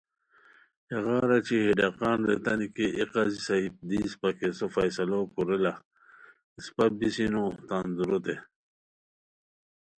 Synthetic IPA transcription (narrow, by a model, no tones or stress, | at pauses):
eɣɑːɾat͡ɕihiɖaqɑːnɾet̪anikeʔiqazisaip̚d̪iːspakesofajsɐlokuɾela | ispabisinot̪anzuɾot̪e